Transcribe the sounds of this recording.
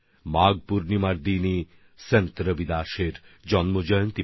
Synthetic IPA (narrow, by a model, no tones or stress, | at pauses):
maːɡpuɾnimaɾd̪ini | sent̪ɾəbid̪aːʃeɾd͡ʑɔnmod͡ʑɔjont̪i